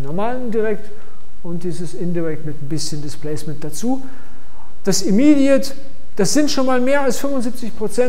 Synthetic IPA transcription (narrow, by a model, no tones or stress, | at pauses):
nɔɐmaːləndiʁɛkt | ʔʊnt̚d̥iːzəsɪndiʁɛk̚tmɪtn̩bɪsçəndɪsplɛːsmɛnt̚d̥at͡suː | d̥asɪmidiɐt | d̥asz̥ɪntʃoːnmaːlmeːɐalsfʏmvʊnziːp̚t͡sɪçpʁ̥ot͡sɛn